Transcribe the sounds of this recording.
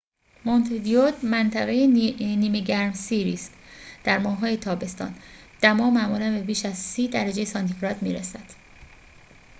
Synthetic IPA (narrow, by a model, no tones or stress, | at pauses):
mont̪ʰid̪iot̪mænt̪ʰæɣejeniːmeɟæɾmsiɾiːst̪ | d̪̥æɾmɒːhɦːɒːje̞t̪ʰɒːbe̞st̪ɒ̰ːn | d̪̥æmɒːmæʔmuːlænbe̞biːʃæzsiːd̪æɾæd͡ʒe̞jesɒnt̪ʰifɾɒːd̪miːɾesæd̪̥